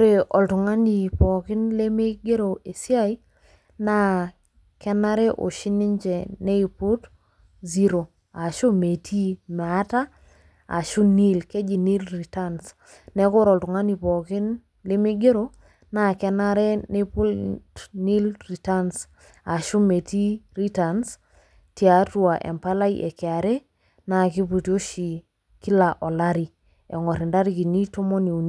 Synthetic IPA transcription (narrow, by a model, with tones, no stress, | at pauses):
ɾe˨ʔɔ˨ltʊ˨ŋa˦ni˨pɔ˨kɪ˦nle˦me˦ɡe˦ɾo˨ʔe˨si˦a˦i˦ | na˦˨ | kɛ˦na˦ɾe˦ʔo̰˨ʃi˦nɪ˦ɲd͡ʒɛ˨ne˦˨pu˦t | zi˦ɾo˨ | a˨ʃo˦me˨tʰi˦mɛ˨a˦ta˦ | a̰˨ʃu˦ni˦lke˦d͡ʒi˨ni˦lri˨ta˦ns | nɛ˦ko˦ɾɔ˨ltʊ˨ŋa˦ni˨pɔ˨kɪ˦n | lɪ˦mɪ˦ɡe˦ɾo˦ | na˦˨kɛ˦na˦ɾɛ˦ne˦pu˦ltni˦lri˨ta˦ns | a˨ʃʊ˦me˨ti˦ri˦ta˨ns | ti˨a˨tu˦a˨ʔɛ̰˨mpa˦la˦i˦ʔɛ̰˨kɪ˨a˨ɾɛ˦ | na˨kɪ˦pu˨tjo˦ʃi˨ | ki˦la˨ʔɔ˨la˦ɾi˨ | ɛ˨ŋɔ˨ɾɪ˨nda˦ɾi˦ki˨ni˦to˦mɔ˦ni˨u˨n